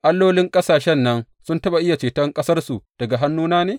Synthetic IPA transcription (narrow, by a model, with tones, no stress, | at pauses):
ʔa˦lːoː˦lɪ˦ŋkʼɐ˦saː˨ʃɛ˦nːɐ˦n | sʊ˦ntɐ˦ba˨ʔɪ˦ja˨t͡ʃeː˨tɐ˦ŋkʼɐ˦sɐ˦rsu˨d̥ɐ˨ɡa˨ɦa˦nːuː˦naː˦neː˨